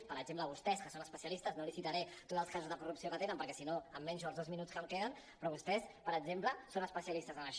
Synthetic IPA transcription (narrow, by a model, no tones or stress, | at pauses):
pəɾəɡʒempləβust̪ɛskəsonəspəsiəlist̪əznolisit̪əɾɛt̪otd̪zəlˠskazuzðəkurupsiokət̪enəmpəɾkɛsinoəmːɛɲʒaəlˠðozminutt͡skəlkeðən | pɾɔβust̪ɛspəɾəɡd͡ʒempləsonəspəsiəlist̪əzələʃ